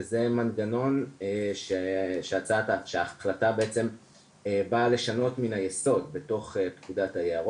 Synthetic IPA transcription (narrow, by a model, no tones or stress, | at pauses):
ze̞manɡano̞nʃeʃeat͡sataʃeaːχlatabeet͡se̞m | bale̞ʃano̞tminajeso̞dbe̞to̞χetkudathajeaʁo